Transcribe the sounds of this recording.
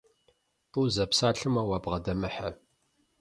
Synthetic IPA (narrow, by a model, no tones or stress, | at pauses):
uwzɐpsaːɬɨmɐwabʁɐdɐmɨħɐ